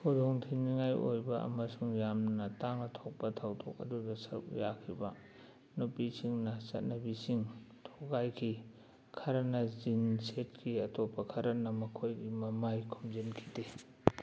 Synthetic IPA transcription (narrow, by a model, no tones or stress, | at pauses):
kʰodoŋtʰiniŋajojbɐʔɐ̰mɐsuŋjamnɐtaŋnɐtʰok̚pɐtʰawdʰok̚ɐ̰dudɐsɐɾṵkjakʰibɐ | nupisiŋnɐsɐ̰t̚nɐbisiŋtʰoɡajkʰi | kʰɐɾɐnɐzinset̚kiɐtopːɐkʰɐɾɐnɐmɐkʰojɡimɐmajkʰumzenkʰi̥de